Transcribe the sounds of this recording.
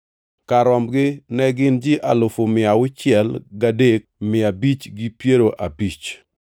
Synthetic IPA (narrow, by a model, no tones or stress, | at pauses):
kaɾɔmɡɪnɛɡɪnd͡ʒɪʔalʊfomɪawʊt͡ʃjɛlɡadek̚mɪabit͡ʃɡipjeɾoʔabit͡ʃ